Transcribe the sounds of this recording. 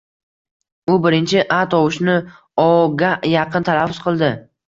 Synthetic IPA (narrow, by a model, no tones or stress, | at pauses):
ʊbɪɾɪnt͡ʃʰɪʔat̪ɒwʊʃnɪ | ɒɡʲajɑqʰɨnt̪ʰalafːʊzqʰɨlˠd̪ɪ